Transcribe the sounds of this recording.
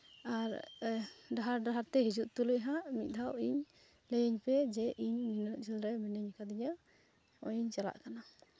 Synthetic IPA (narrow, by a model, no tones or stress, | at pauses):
aɾ | ɖaɦaɾɖaɦaɾt̪ɛɦid͡ʒuʔt̪uləʔɦaʔmit̪̚ˀd̪ʱawiɲ | ləjəɲpɛd͡ʒɛʔiɲminəʔd͡ʒəlɾɛminəɲkad̪iɲa | ɔjiɲt͡ʃala̰ʔkana